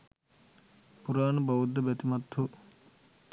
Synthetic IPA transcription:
puɾaːnɐbɐwud̪ːɐbɐt̪imɐt̪ʰːu

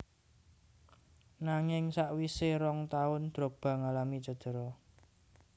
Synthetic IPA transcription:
naŋɪŋsaʔwiseɾɔŋt̪aʊnd̪̥ɾo̤k̚b̥a̤ŋalamit͡ʃə̤d̪̥ə̤ɾɔ

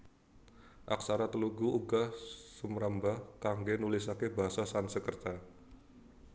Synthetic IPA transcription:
ʔak̚saɾat̪əluɡuuɡasumɾambahkaŋɡenulɪsakebaɦasasansəkərt̪a

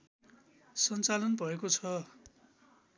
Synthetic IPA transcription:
sʌnt͡salʌnbʱʌekot͡sʰʌ

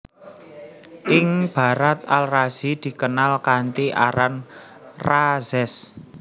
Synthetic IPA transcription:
ʔɪŋb̥a̤ɾat̪̚alraz̥id̪̥i̤kənalkant̪iʔa̰ɾan | razɛs

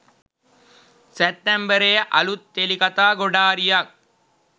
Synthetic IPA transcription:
sɛp̚t̪ːembəɾeːʔɐ̰lut̪ːelikɐt̪aːɡoɖaːɾijɐk̚

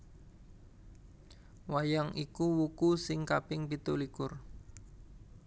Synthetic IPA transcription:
wajaŋikuwukusɪŋkapɪŋpit̪ulikʊr

